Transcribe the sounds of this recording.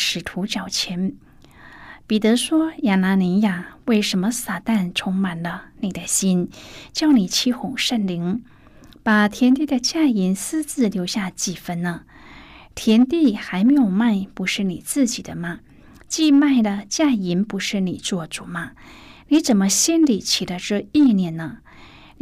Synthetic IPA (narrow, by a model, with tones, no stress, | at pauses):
ʂɻ̩˨˩t̪ʰu˧˥t͡ɕjɑ˨˩ʊt͡ɕʰjɛ˧˥n | pi˨˩t̪ɤ˧˥ʂwɔ˥ja˨˩na˧˥ni˧˥ja˨˩we˥˩ɪʂə˧˥nmə˧sa˨˩t̪a˥˩nʈ͡ʂʰʊ˥ŋma˨˩nlə˦ni˨˩d̪ə˦ɕi˥nt͡ɕjɑ˥˧ʊni˨˩t͡ɕʰi˥xʊ˨˩ŋʂə˥˩nli˧˥ŋ | pa˨˩t̪ʰjɛ˧˥nt̪̬i˥˩d̪ə˩t͡ɕja˥˧i˧˥nsɹ̩˥t͡sɹ̩˥˩ljo˧˥ʊɕja˥˧t͡ɕi˨˩fə˥nnə˧ | t̪ʰjɛ˧˥nt̪i˥˩xa˧˥ɪme˧˥ɪjo˨˩ʊma˥˩ɪpu˧˥ʂɻ̩˥˩ni˨˩t͡sɹ̩˥˩t͡ɕi˨˩d̪ə˦mɐ˧ | t͡ɕi˥˧ma˥˩ɪd̪ə˩t͡ɕja˥˩i˧˥npu˧˥ʂɻ̩˥˩ni˨˩t͡swɔ˥˩ʈ͡ʂu˨˩mɐ˧ | ni˧˥t͡sə˨˩nmə˦ɕjɛ˥nli˨˩t͡ɕʰi˨˩d̪ə˦ʈ͡ʂɻ̩˥˧i˥˧njɛ˥˩nnə˧